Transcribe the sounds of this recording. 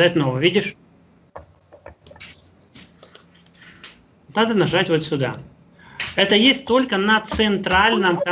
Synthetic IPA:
at̪̚ʲnovəvʲidʲɪʂ | nad̪ənɐʐatʲvot̪sʲʊd̪a̰ | ɛt̪əjesʲtʲt̪o̞lʲkənət̪sɨnt̪ɾalʲnəmkɐ

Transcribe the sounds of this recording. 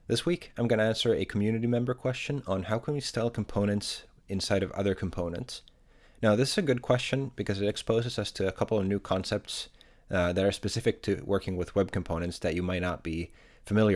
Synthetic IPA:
ðɪswikʰãɪ̃mɡʌñɨæ̃nsə˞ɨkʰmjʉnɨɾimɛ̃mbə˞kʰw̥ɛst͡ʃɨ̃nə̃nhaʊkʰə̃nwistɛlˠkʰm̩pʰõʊ̃nɨ̃nts | ɨ̃nsaɪɾʌvʌ̰ðə˞kʰm̩pʰõʊ̃nɨ̰̃nts | naʊðɪsɨzɨɡʊd̚kʰw̥ɛst͡ʃɨ̃nb̥ɨkʰʌzɨɾɨkspoʊzɨzʌstʰɨːkʰʌpl̩ˠʌvnʉkʰɑ̃nsɛp̚ts | ðɨɾə˞spɨsɪfɨk̚tʰɨwʔɜ˞kɪ̃ŋwɨðwɛb̚kʰm̩pʰõʊ̃nɨ̃ntsðɨt͡ʃɨmaɪtⁿnət̚b̥i | fɨmɪlˠjə

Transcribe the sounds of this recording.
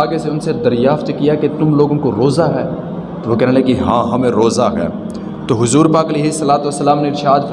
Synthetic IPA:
aːɡeseʊnsed̪ɐɾjaːft̪ekijaket̪ʊmloːɡõkoɾoːzaɦɛː | t̪oʋoːkɛːnẽleekiɦãːɦɐmẽɾoːzaɦɛ̰ː | t̪oːɦʊzuːɾpaːkɐleːɦɪsːɐlaːt̪uʋɐsːəlaːmneɪɾʃaːd̪f

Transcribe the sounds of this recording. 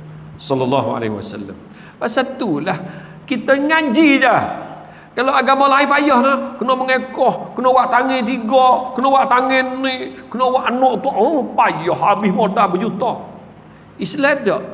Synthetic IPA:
sɔlːɔlːɑɦua̰lḛiwa̰sa̰lːa̰m | paʔsat̪ulah | kit̪əŋad͡ʒid͡ʒa | kalowaɡamalaipajɔhnahkunɔʔməŋekɔhkunɔwaʔt̪aŋɪt̪̬iɡɔkunɔwaʔt̪aŋɪnːikunowaʔanɔʔt̪uʔopajɔhabɪhmodabəd͡ʒut̪ɔʔ | isladɔʔ

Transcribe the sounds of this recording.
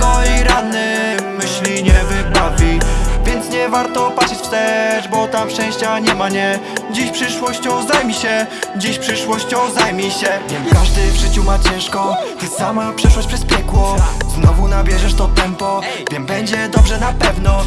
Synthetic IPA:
kɔiɾad̪nɛmɘɕlʲiɲɛvɘbavʲivʲjɛnt̪sɲɛvaɾt̪ɔpat̪ʂɛt͡ɕfst̪ɛʐbɔt̪amfʂt͡ʂɛ̃w̃ɕt͡ɕaɲɛmaɲɛd͡ʑeɕpʂɘʂwɔɕt͡ɕɔ̃wzajmʲiɕɛd͡ʑeɕpʂɘʂwɔɕt͡ɕɔ̃wzajmʲiɕɛvʲjɛmkaʐd̪ɘvʐɘt͡ɕumat͡ɕɛ̃w̃ʂkɔt̪ɘsamapʂɛʂwɔɕt͡ɕ̚ʲpʂɛspʲjɛkwɔznɔvunabʲjɛʐɛʂt̪ɔt̪ɛmpɔ | vʲjɛmbɛɲd͡ʑɛd̪ɔbʐɛnapɛvnɔ

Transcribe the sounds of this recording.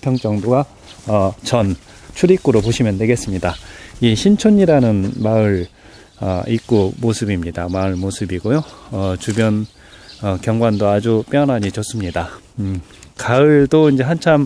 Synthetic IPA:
pʰjʌŋt͡ɕ͈ʌŋdoɡa | ʌt͡ɕʌn | t͡ɕʰuɾik͈uɾopoɕʰimjʌndwe̞ɡe̞s͈ɯmɲidaiɕʰint͡ɕʰoɲiɾanɯnmaɯɾ | ʌ̰ik̚k͈omosʰɯbimɲidamaɭmosʰɯbiɡojoʌt͡ɕubjʌn | ʌkjʌŋɡwandoad͡ʑup͈jʌnɦaɲit͡ɕʌs͈ɯmɲida | kaɯɭdoind͡ʑe̞ɦant͡ɕʰam

